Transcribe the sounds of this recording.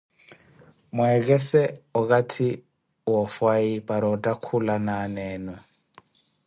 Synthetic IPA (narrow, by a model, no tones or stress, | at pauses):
muɛk̬ɛsɛɔkʼatʰi | wɔfwaipʼaɾɔtʼakʰulanaːnɛːnɔ